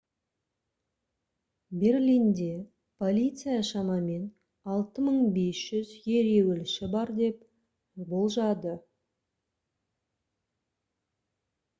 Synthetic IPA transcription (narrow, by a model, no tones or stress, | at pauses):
be̞rlʲijnd̪e̞ | pʰo̞lʲit̪sɨjaʃɑmɑme̞n | ɑlˠt̪əməɴbe̞sʒ̥ʏzje̞ɾe̞wɪlʃɪbɑɾd̪e̞p | bo̞lˠʒɑd̪ə